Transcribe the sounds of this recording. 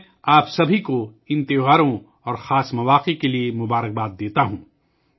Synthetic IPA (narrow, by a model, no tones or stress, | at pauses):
aːpsɐbʱiko | ɪ̃nt̪ɪɦaːɾõ | ɔːɾxaːsmɐʋaːqekeliemʊbaːɾək̚baːt̪̚d̪eːt̪aɦũː